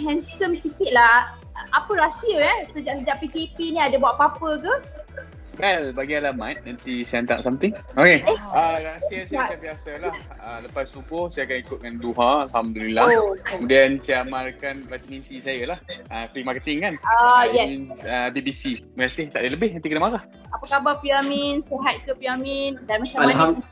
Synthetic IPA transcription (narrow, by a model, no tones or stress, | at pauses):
ɦɛ̃nsikəmsikiʔ̪̚lah | ʔapəɾasiəkasəd͡ʒaʔsəd͡ʒaʔpikepinĩadabuaʔpapəɡə | wɛlbaɡialamãt̪̚nant̪isaant̪a̰ʔsamt̪ɪŋokeəɾasiəsaakabiasalah | ələpasːubʊhsajakanikʊt̪̚kanduɦãːlɦamdulilaəmudiansaamarkanɾat̪minsisajəlahəpimakət̪ɪŋkanəjɛinəbibisibəkasɪht̪aʔdələbɪhnãnt̪ikənamakah | apəkabapiaminsəɦat̪̚kəpiamindanmat͡ʃaamaɦam